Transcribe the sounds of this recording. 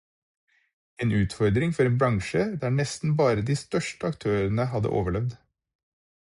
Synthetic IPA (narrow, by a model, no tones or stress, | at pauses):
eːnʉːt̪fɔɾd̪ɾɪŋfɔɾeːnbɾɑŋʃəd̪æːɳɛst̪n̩bɑːɾəd̪iːst̪œʃʈəɑkt̪ʰøːɾənəhɑd̪ə̰ʔo̰ːʋəɭɛʋd̪